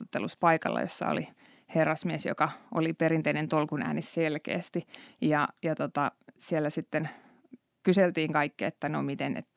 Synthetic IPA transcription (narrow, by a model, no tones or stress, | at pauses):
ot̪ːeluspɑikɑ̰lːɑ̰jo̰sːɑ̰o̰li | herːɑsmiesjo̰kɑʔo̰liperint̪einent̪olkunæ̰ːnisselkḛːst̪ijɑjɑt̪ot̪ɑsielːæsit̪ːen | kyselt̪iːŋkɑikːiḛt̪ːænomit̪enḛt̪